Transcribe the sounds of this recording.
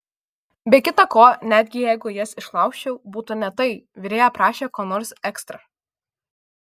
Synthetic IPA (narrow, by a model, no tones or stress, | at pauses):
bʲɛkʲɪt̪ɐkoːnʲæːd̪ʲɡʲɪjæɪɡʊjɛsɪʃlˠɐʊkʃʲt͡ʃʲɛʊbuːt̪ʊnʲɛt̪ɐɪʋʲɪɾʲeːjɛpɾɑːʃʲeːkoːnoːɾsʲɛkst̪ɾɐ